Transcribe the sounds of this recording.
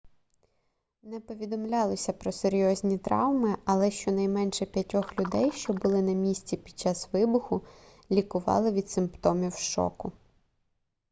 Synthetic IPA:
nɛpɔʋʲid̪ɔmlʲɑlˠɔsʲɐpɾɔseɾʲjɔzʲnʲit̪ɾɑ̰wmɪɐlˠɛʃt͡ʃɔnɐjmɛnʃɛpʲjɐtʲɔxlʲʊd̪ɛjʃt͡ʃɔbʊlˠɪnɐmʲisʲt͡sʲipʲid̪̥̚t͡ʃɑsʋɪbʊxʊ | lʲikʊʋɑ̰lˠɪʋʲid̪sɪmpt̪ɔmʲiwʃɔ̰kʊ

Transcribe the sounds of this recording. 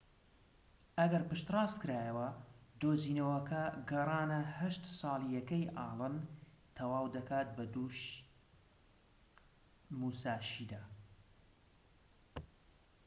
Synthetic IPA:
ɐɡɐɾpɨʃt̪rɑːst̪kɨɾaːjɐwɐd̪oːziːnɐwɐkɐɡɐrˤɑːnɐhɐʃt̪sˤɑːlˠijɐkɐjʔɑːlˠɨn | t̪ʰɐwaːwd̪ɐkaːt̪̚bɐd̪uːʃ | muːsaːʃiːd̪aː

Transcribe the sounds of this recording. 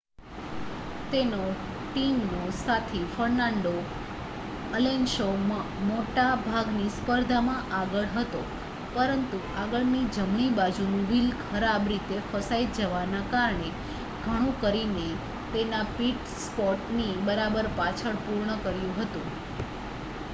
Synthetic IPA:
t̪enoʈimnosat̪ʰifəɾnãɳɖo | əlenʃo | moʈabʱaɡnispəɾd̪ʱamãʔaɡəɭɦət̪o | pəɾənt̪u | aɡəɭnid͡ʒəmɳ̃ibad͡ʒunũʋilkʰəɾabɾit̪efəsaid͡ʒəʋanakaɾɳe | ɡ̥ʱəɽ̃ũkəɾine | t̪enapiʈ | spɔʈnibəɾabəɾpat͡ʃʰəɭpuɾɳəkəɾjũɦət̪ũ

